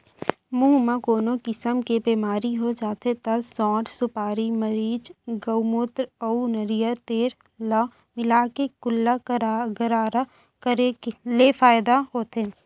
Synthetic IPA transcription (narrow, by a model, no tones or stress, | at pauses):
muːmãkoːnokɪsəmkebeːmaːɾiɦod͡ʒaːt̪et̪ɐsɔ̃ːʈsʊpaːɾiməɾiːd͡ʒɡəumʊt̪ɾəunəɾijət̪eːɾ | la | mɪlaːkekʊlːaɡəɾaːɾa | kəɾeleːfaːjd̪aɦoːt̪eː